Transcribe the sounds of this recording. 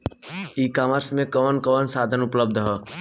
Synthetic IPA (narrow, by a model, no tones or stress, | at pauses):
iːkaːməɾsmẽkɔːnkɔːnsaːd̪ʱənʊpləb̚d̪ʱɦɔː